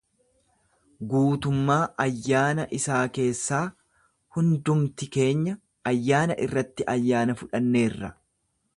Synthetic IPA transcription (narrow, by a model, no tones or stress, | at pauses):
ɡuːt̪ʊmːaːʔɐjːaːnɐʔɪsaːke̞ːsːaː | hʊnd̪ʊmt̪ɪke̞ːɲːɐ | ɐjːaːnɐʔɪrːɐt̪ːɪʔɐjːaːnɐfʊᶑɐnːe̞ːrːɐ